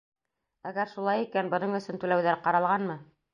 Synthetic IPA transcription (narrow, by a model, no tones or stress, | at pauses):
æɡæɾʃulˠɑjikænbɤ̆nɤɴɵ̆sɵnt̪ʉlæwðæɾqɑɾɑlˠʁɑnmɤ